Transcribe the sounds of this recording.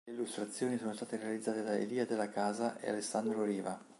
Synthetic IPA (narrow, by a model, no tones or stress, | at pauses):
leilːust̪ɾat̪sːjoːnisoːnost̪aːt̪eɾealid̪zːaːt̪ed̪aḛliːad̪elːakaːzaʔḛa̰lesːand̪ɾoɾiːva